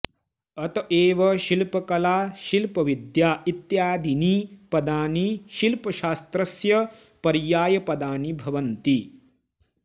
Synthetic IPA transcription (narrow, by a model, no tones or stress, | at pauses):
ɐt̪ɐʔeːʋɐʃilpɐkɐlaːʃilpɐʋid̪jaːit̪jaːd̪inipɐd̪aːniʃilpɐʃaːst̪ɾɐsjɐ | pɐɾjaːjɐpɐd̪aːnibʱɐʋɐnt̪i